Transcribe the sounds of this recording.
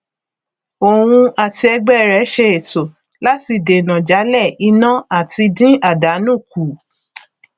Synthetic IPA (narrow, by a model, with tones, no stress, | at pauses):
o˨w̃ũ˧a˨ti˧ɛ˧ɡ͡bɛ˦˨ɾɛ˨˦ʃe˧e˨to˨ | la˦ti˧˨de˨nã˨d͡ʒa˨˦lɛ˦˨i˧nã˦a˦˨ti˧dĩ˦ʔa˦˨da˨˦nũ˦˨ku˨